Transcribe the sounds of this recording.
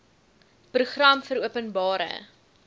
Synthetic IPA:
pruχrɐmfəɾuəpənbɑːɾə̰

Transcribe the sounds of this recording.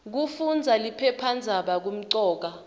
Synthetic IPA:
k̬ufund͡zʱalipʰɛpʰand͡zʱaɓak̬um̩ǀɔːk̬a

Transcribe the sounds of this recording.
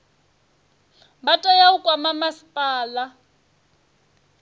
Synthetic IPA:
batʼɔjaukʼwamamasi̥pʼaːla

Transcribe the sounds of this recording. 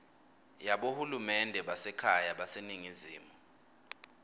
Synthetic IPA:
jaɓohulumɛndʱɛɓasɛkʰajaɓaseniŋiziːmu

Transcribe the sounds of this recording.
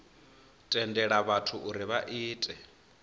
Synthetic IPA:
tʼɛndɛɺaβatʰuʔuɾiβaʔiːtʼɛ

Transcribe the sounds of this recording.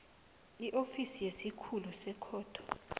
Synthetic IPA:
iʔofisijesikʰulusɛkʰɔːtʰɔ̥

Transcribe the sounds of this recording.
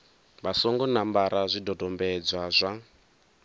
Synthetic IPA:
βasɔŋɡɔnambaɾazʷidɔdʱɔmbɛd͡zwazʷa

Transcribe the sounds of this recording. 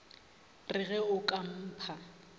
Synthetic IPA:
rɪɣɛʊkʼam̩ːpʰa

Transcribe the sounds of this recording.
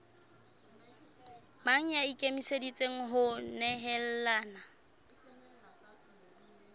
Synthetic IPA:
maŋ̩jaikʼemisedit͡sʼeŋ̩ɦʊnɛɦɛl̩laːna

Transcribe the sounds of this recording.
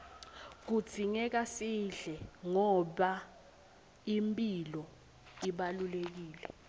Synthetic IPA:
k̬u̥z̥ʰʱiŋɛk̬asiɮɛŋɔɓa | impʼilɔ | iɓalulek̬iːlɛ̰

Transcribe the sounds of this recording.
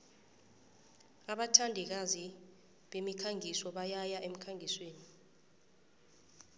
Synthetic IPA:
aɓatʰandʱɛk̬azi | ɓemikʰaŋʱisɔɓajajaʔem̩kʰaŋʱisweːni

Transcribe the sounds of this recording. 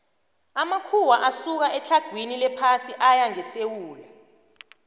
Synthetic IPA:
amakʰuwaʔasuk̬aʔɛt͡ɬʰaɡ̥ʱwinilɛpʰasiʔajaŋɛsewuːla

